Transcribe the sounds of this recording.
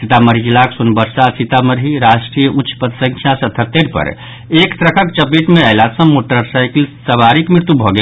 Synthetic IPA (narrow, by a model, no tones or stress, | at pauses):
sit̪aməɾid͡ʒilaksunbəɾsasit̪aməɾiɾaʃʈɾijəʔut͡ʃʰpət̪sə̃ŋkʰjasət̪ʰət̪ːeɾpə̰ɾ | ekt̪ɾəkʰəkt͡ʃəpiʈmeəɪlat̪sə̃moʈəɾsaɪklsəbaɾikmɾɪɾt̪ubʱɔɡe